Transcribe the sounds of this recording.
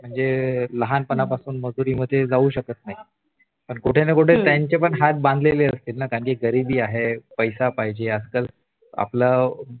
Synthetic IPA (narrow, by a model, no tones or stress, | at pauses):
m̤əɳd͡zeləɦanpənapasuːnməd͡zuɾiːməd̪ʱːjed͡zauːɕəkət̪̚naɦi | pəɳkuʈʰenəkuʈʰet̪jaɲt͡ɕepəɳɦat̪̚bãnd̪ʱəleleəst̪iːlnakaŋkiɡəɾibiːaɦepəjsapaɦjd͡ʑeəskəl | a̰pla